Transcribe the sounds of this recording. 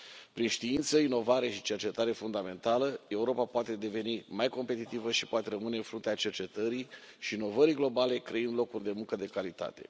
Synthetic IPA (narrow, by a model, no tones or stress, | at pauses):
pɾinʃt̪iint̪səino̞vaɾe̞ʃit͡ʃe̞rt͡ʃe̞t̪aɾe̞fund̪ame̞nt̪aləe̞uɾo̞papoat̪e̞d̪e̞ve̞nimajko̞mpe̞t̪it̪ivəʃi̥poat̪e̞ɾəmɨneɨnfɾunt̪eat͡ʃe̞rt͡ʃe̞t̪əɾi | ʃiːno̞vəɾiɡlo̞bale̞kɾeɨnd̪lo̞kurʲd̪e̞muŋkəd̪e̞kalit̪a̰t̪e̞̰